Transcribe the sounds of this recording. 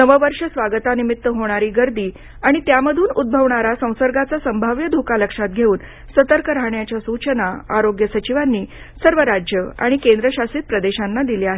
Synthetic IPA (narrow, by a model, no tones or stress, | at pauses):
nəʋəʋəɾʂəsʋaɡət̪animit̪ːəɦoɽ̃aɾiːɡəɾd̪iː | aɽ̃it̪jaməd̪ʱuːnud̪̚bʱəʋɳaɾasə̃w̃səɾɡat͡sasəmbʱaʋjəd̪ʱokaləkʂat̪̚ɡʱeuːn | sət̪əɾkəɾaɦɳjat͡ɕjasut͡ɕənaaɾoɡjəsət͡ɕiʋanːiː | səɾʋəɾad͡ʑjəa̰ɽ̃ikẽnd̪ɾəɕasiːt̪̚pɾəd̪eɕanːad̪iliaɦe